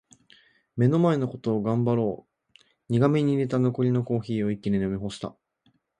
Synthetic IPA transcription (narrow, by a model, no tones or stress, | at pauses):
me̞no̞mae̞no̞ko̞t̪o̞ːɡãmbaɾo̞ː | ɲ̟iɡamʲeɲ̟ine̞t̪ano̞ko̞ɾʲino̞ko̞ːçiːo̞ikʲːinʲenomʲiɦo̞ɕi̥t̪a̰